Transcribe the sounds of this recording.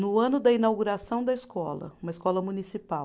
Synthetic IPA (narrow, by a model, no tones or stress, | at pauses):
nʊɐ̃nʊd̪ɐinawɡuɾasɐ̃w̃d̪ɐɪskɔ̰lɐ̰ũmɐiskɔlɐmunisipaw